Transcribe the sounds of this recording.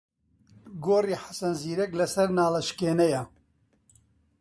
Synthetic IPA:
ɡoːriːħḁsɐnziːɾɛklɐsɐɾnaːlɐʃkeːnɛjɐ

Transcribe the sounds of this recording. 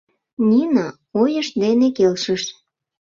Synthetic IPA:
nʲinɑ | ojəʃd̪enekelʃəʃ

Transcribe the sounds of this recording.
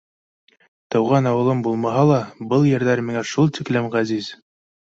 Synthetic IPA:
t̪ɤ̆wʁɑnɑwɤ̆lˠɤmbulˠmɑɦɑlˠɑbɤlˠjɘ̆ɾðæɾmiŋæʃulˠt̪iklɘmʁæziz̥

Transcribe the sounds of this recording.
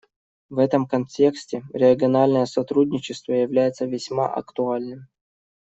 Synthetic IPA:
vɛt̪əmkɐnʲtʲe̞ksʲtʲɪɾʲɪəɡʲɪɐnalʲnəjəsɐt̪ɾudʲnʲɪt͡ɕɪst̪vəjɪvlʲæjɪt̪səvʲɪsʲma̰ʔɐ̰kt̪ʊalʲnɨm

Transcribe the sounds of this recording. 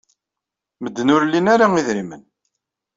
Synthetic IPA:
məd̪ːnʊɾlːinaɾaiðɾimən

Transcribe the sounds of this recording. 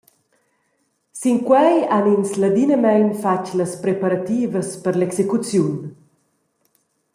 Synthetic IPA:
siŋkwɛjaninslad̪inəmɛjnfat͡ʃləspɾepaɾat̪iːvəspəɾlɛksekut͡sjun

